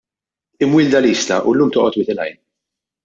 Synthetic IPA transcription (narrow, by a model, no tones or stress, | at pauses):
ɪmwɪːld̪ɐliːst̪ɐ̰ʔʊ̰lːuːmt̪ɔːʔɔt̪wɪt̪ɪlɐ̰jn